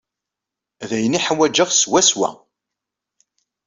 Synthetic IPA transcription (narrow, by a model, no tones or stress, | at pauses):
ðæjəniħwæd͡ʒəʁswæswæ̰